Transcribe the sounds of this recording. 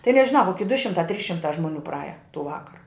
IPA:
tɐɪ nʲɛʒʲɪˈnɐʊ koːˈkʲɪ dʊ ʃʲɪmˈtɑː tʲrʲiːs ʃʲɪmˈtɑː ʒmoːˈnʲuː prɐˈɑːjɛ tuː ˈʋɑːkɐrɐ

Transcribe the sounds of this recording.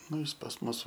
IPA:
ˈnʊ ˈjɪs pɐs ˈmʊs

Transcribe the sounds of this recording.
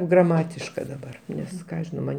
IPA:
ɡrɐˈmɑːtʲɪʃkɐ dɐˈbɐr ˈnʲɛs ˈkɑː ɐʃ ʒʲɪˈnɐʊ ˈmɐnʲ

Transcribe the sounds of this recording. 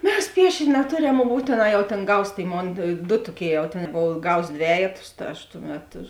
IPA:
ˈmʲɛs ˈpʲiɛʃʲeːnʲ nʲɛˈtoːˌrʲɛm mʊm ˈbuːtʲeːˌnɑː jɛʊ tʲeːn ˈɡɐʊs ˈtʲeːɪ ˈmoːn dʊ ˈtoːˌkʲeːɪ jɛʊ tʲeːn ˈboːw ˈɡɐʊs ˈdʲʋʲæːjɛtʊs tɐ ˈɐʃ ˈtʊˌmʲɛt

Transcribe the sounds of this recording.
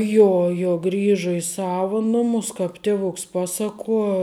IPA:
ˈjoː joː ˈɡrʲɪʒɐ ɪ ˈsɑːʋɐ ˈnʊmʊs ˈkɑːp ˈtʲeːʋʊks ˈpɑːsɐˌkuɔ

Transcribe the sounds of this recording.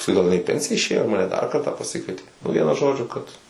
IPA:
pɐsˈkʊɪ ˈɡɐlˠ ɪˈnɐɪ ɪ pʲɛnʲsʲɪjɛ ɪʃʲˈeːjoː mɐˈnʲɛ dɐr ˈkɐrtɑː pɐˈsʲɪkʋʲiɛtʲɪ nʊ ˈʋʲiɛnʊ ˈʒoːd͡ʒʲʊ kɐt

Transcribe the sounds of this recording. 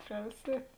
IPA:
ˈpʲrʲɛʊsʲiɛtʲ

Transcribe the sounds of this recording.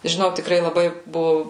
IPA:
ʒʲɪˈnɐʊ tʲɪkˈrɐɪ lˠɐˈbɐɪ ˈbʊʋʊ

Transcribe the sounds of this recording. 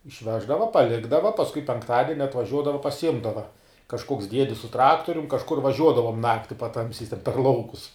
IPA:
ɪʃʲˈʋʲæːʒdɐʋɐ pɐˈlʲɪɡdɐʋɐ pɐsˈkʊɪ pʲɛŋkˈtɑːdʲɛnʲɪ ɐtʋɐˈʒʲuɔdɐʋɐ pɐsʲɪˈjɪmdɐʋɐ kɐʃˈkoːks ˈdʲiɛdʲɪs sʊ ˈtrɑːktoːrʲʊm kɐʃˈkʊr ʋɐˈʒʲuɔdɐʋoːm ˈnɑːktʲɪ pɐˈtɐmʲsʲɛɪs tʲɛn pʲɛr ˈlˠɐʊkʊs

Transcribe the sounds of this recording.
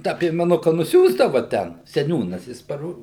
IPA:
ˈtɑː pʲiɛmʲɛˈnʊkɐ nʊˈsʲuːzdɐʋɐ ˈtʲɛn sʲɛˈnʲuːnɐs jɪs pɐˈroː

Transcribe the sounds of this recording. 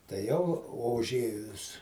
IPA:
tɐɪ ˈjɛʊ oː ʊˈʒʲeːjʊs

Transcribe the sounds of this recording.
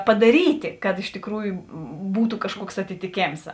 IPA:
pɐdɐˈrʲiːtʲɪ kɐt ɪʃ tʲɪkˈruːjʊ buːtʊ kɐʃˈkuɔks ɐtʲɪtʲɪˈkʲeːms

